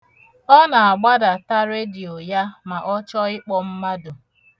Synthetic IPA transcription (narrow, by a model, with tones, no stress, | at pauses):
ɔ˦na˨a˨ɡ͡ba˦da˨ta˦ɾe˦di˨o˨ja˦ma˨ʔɔ˦t͡ʃɔ˦ɪ˦k͡pɔ˨m̩˦ma˦dʊ˨